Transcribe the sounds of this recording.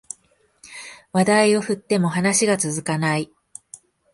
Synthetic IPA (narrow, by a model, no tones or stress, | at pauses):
βad̪aio̞ɸɯ̟t̪ːe̞mo̞ɦanaɕiɡat͡sɨzɨkanai